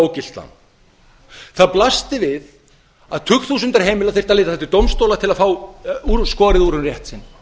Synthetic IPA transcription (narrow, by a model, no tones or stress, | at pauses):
wcɪl̥t̪la̰n | θaðplast̪ɪvɪð | aðt̪ʰʏkt̪θʰusʏnt̪aɾ̥ɦeːjmɪlaðθeɾ̥t̪aleɪːt̪aθɛht̪ːɪɾt̪owmst̪owlat̪ʰɪlaðfaːwuɾskɔːɾɪðuɾʏmrjɛht̪sɪnː